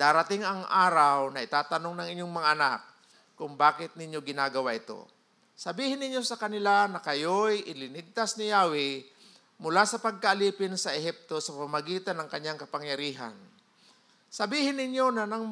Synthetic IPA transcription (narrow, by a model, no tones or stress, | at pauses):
d̪aːɾɐt̪ɪŋɐŋʔaːɾawnɐʔɪt̪aːt̪ɐno̞ŋnɐŋʔɪɲːoŋmɐŋaʔɐnak̚ː | ʊŋbaːkɪt̪̚nɪɲjo̞ɡɪnaːɡɐwaʔɪt̪o̞̰ | sɐbiːhɪnːɪɲjo̞sɐkɐnɪlanɐkɐjojʔɪlɪnɪɡ̚t̪asnɪjaːwɪ | mʊlasɐpɐɡ̚kaʔaliːpɪnsɐʔɛɦɛp̚t̪o̞sɐpamɐɡiːt̪anɐŋkɐɲːaŋkɐpaŋjɐɾiːɦa̰n | sɐbiːhɪnːɪɲjo̞nɐnɐŋ